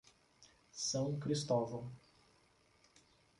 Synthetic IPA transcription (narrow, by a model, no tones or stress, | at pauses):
sɐ̃w̃kɾist̪ɔvɐ